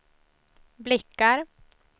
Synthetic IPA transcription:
blɪkːaɾ

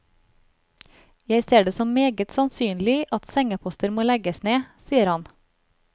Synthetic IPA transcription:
jæɪseːɖeːsɔmmeːɡət̪sɑnsyːnlɪʔɑt̪sɛŋəpʰɔst̪əɾmoːlɛɡəsneːsiːəɾhɑn

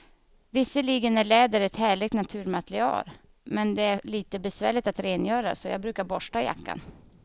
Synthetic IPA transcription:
vɪsːəliːɡənæɭɛːd̪əɾɛt̪hæːɭɪɡ̚t̪nat̪ʰʉ̟ːɾmat̪ɾɪɑ̰ːl | mɛnd̪ɛæɭiːt̪əbɛsvæ̰ːɭɪt̪at̪ɾeːnjœːɾa̰sɔjɑ̰ːɡbɾʉ̟ːkaɾbɔʂʈaja̰kːa̰n

